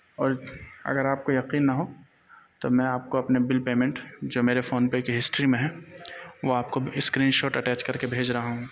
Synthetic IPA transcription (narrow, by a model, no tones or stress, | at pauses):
ɔːɾɐ̰ɡəɾaːp̚kojɐqiːnːɐɦo | t̪omɛ̃aːp̚koɐpnebɪlpeːmẽɳʈd͡ʒoːmeːɾefoːnpekɦɪsʈɾimẽɦɛ̃ːʋoaːp̚koɪskɾiːnʃoːʈɐʈɛːt͡ʃkɐɾkebʱeːd͡ʒɾɐɦaɦũː